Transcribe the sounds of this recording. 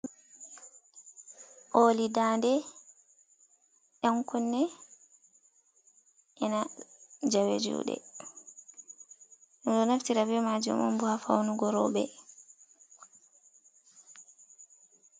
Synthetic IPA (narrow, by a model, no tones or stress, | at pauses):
ʔolidaːndɛ | ʔaŋkɔnːɛ | ʔɛnad͡ʒawḛd͡ʒṵɗɛ̰ | ɛɗɔnaftiɾabɛmad͡ʒṵmɔ̰mbuhafa̰wnuɡɔɾɔbɛ̰